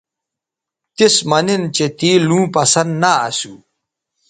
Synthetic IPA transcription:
t̪ismɐnint͡ɕet̪iːlũːpɐsɐnd̪na̰ːsuː

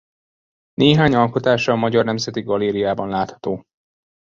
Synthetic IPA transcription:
nʔeːɦaːɲɒlko̞t̪aːʃɒːmɒɟɒrnɛmzɛt̪iɡɒleːɾijaːbɒnlaːt̪hɒ̥t̪oː

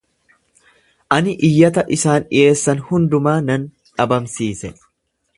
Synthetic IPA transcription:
ʔɐnɪʔɪjːɐt̪ɐʔɪsaːnɪ̰ʔe̞ːsːɐnhʊnd̪ʊmaːnɐn | ᶑɐbɐmsiːsɛ

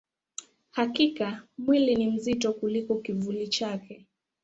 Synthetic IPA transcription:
hakikamwilinim̩zitɔkulikɔkivulit͡ʃakɛ

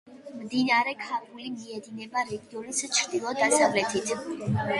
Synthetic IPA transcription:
md̪inaɾɛkʰaɾɡulimiɛd̪inɛbaɾɛɡiɔlist͡ʃʰɾd̪ilˠɔd̪asavlɛt̪ʰit̪ʰ

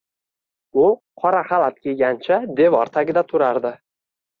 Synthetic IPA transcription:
ʊqʰɒɾaχalat̪̚kʲʰelɡʲant͡ʃʰad̪e̞vɒɾt̪ʰaɡʲɪd̪at̪ʰʊɾaɾd̪ɪ

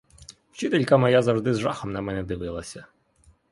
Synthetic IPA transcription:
t͡ʃɪt̪elʲkɐmɔjazɐwʒd̪ɪzʒɑxɔmnɐmɛnɛd̪ɪʋɪlˠɐsʲɐ

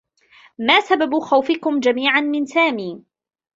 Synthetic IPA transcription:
maːsababuːxawfɪkʊmd͡ʒamiːʕanmɪnsaːmiː

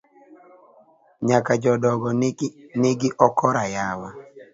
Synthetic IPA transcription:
ɲakad͡ʒɔdɔɡɔnɪɡɪʔɔkʰɔɾajawa

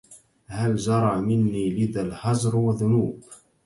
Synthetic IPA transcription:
hald͡ʒɑɾˤɑʕmɪnːiːlɪðalħɑzˤɾwaðːʊnuːb

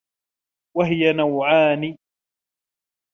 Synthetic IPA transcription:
waɦɪjanawʕaːniː

